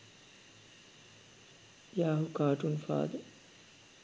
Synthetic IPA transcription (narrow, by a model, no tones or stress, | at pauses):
jaːɦukaːʈunfa̰ːd̪ə